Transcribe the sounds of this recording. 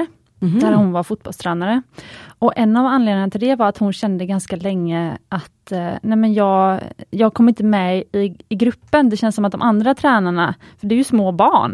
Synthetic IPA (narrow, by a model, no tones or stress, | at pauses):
d̪æɾhʊnvaɾfʊt̪̚b̥ɔlst̪ʰɾɛːnaɾəɔʔɛnːavanleːd̪nɪŋnat̪ʰɪld̪ɛvaɾat̪hʊnɕɛnd̪əɡanskalɛŋːəʔat̪nɛmɛnjɑːɡjɑːɡ̚kʰɔmːɾɪnt̪əmɛɪɪɡɾɵpːənd̪ɛɕɛnsːɔmat̪̚d̪ɔmʔand̪ɾat̪ʰɾɛːnaɳa | fœɖɛæɾjɵsmoːbɑːɳ